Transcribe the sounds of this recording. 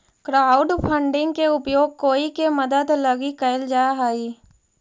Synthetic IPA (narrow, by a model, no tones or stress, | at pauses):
kɾaːʊɖpʰə̃ɳɖɪ̃ŋɡkeʊpjoːɡ̚koːikeməd̪əd̪lɐɡikəld͡ʒaːɦaːiː